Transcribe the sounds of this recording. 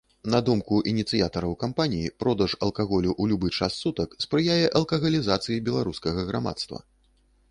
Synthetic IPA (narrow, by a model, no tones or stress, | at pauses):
nɐd̪umkuʔinʲit̪sɨjat̪ɐɾɐwkampanʲijipɾɔd̪ɐʂɐlˠkaɣɔlʲuʔulʲubɨt͡ʂasːut̪ɐkspɾɨjajɛʔɐlˠkɐɣɐlʲizat̪sɨjibʲɛlˠaɾuskɐɣɐɣɾama̰t̪st̪vɐ̰